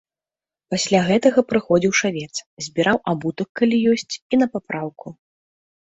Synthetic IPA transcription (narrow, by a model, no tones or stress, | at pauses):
pasʲlʲaɣɛt̪ɐɣɐpɾɨxɔd͡zʲiwʂavʲɛt̪szʲbʲiɾʔawʔabut̪ɐkːalʲijɔsʲt͡sʲinɐpapɾawku